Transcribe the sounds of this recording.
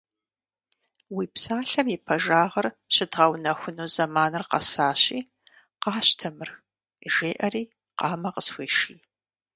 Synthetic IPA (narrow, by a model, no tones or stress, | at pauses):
wiːpsaːɬɐmipʰɐʒaːʁɐr | ɕɪdʁɐwnɐxʷʊnuːzɐmaːnɨrqɐ̰saːɕiː | qɑːɕtʰɐmɨr | ʒeːʔɐriː | qɑːmɐqəsxʷeːʃiː